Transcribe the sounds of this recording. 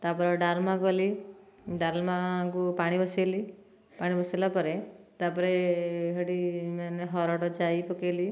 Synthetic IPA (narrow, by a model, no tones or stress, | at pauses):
t̪apɔɾɔɖaɾmakɔli | ɖaɾmakupaɽ̃ibɔseli | paɽ̃ibɔsalapɔɾet̪apɔɾeɦəɽimaneɦɔɾɔɽɔd͡ʒajpɔkeli